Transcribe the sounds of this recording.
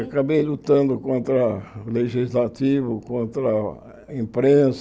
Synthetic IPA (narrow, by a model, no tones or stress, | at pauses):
akabejlut̪ɐ̃nd̪ʊkõnt̪ɾɐleʒizlat̪ivʊkõnt̪ɾɐ | ĩmpɾẽs